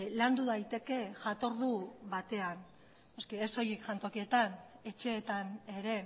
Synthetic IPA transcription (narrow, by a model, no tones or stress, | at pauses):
land̪uðajt̪e̞ke̞ʝat̪o̞ɾðuβat̪e̞anː | oskieso̞jekʝant̪o̞kie̞t̪ane̞t͡ʃe̞ːt̪ane̞ɾe̞